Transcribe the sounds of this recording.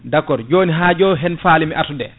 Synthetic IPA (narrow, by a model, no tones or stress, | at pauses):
dakːɔɾd͡ʒoːniɦad͡ʒɔːɦɛnfaːlimiʔatudɛ̰